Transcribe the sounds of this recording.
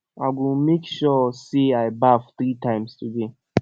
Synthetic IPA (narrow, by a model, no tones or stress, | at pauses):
a̰ɪɡũmekʃɔseaɪbafθɾitʰãɪ̃mstʰude